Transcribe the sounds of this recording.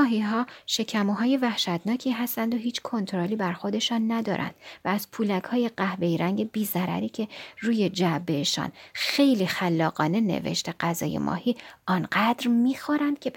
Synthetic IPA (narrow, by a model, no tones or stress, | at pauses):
ɒːɦiːɦɒːʃe̞cʰæmoɦɒːje̞væhʃæt̪nɒːcʰiːɦæst̪ænd̪o̞ɦiːt͡ʃʰkʰo̞nt̪ʰoɾoliːbæɾxo̞d̪e̞ʃɒːnːæd̪ɒ̰ːɾʔæ̰nd̪̥væːz̥pʰuːlækhɒːje̞ɢæhbe̞jɾæŋɟe̞biːzæɾæ̰ɾiːcʰe̞ruːje̞d͡ʒæbeʃɒ̰ːnxe̞jliːxælːɒːɣɒːne̞ne̞̰vḛʃt̪eɢæzɒ̰ːjḛmʔɒ̰hiːɒnɢæd̪ɾmiːxoɾænd̪̚cʲʰe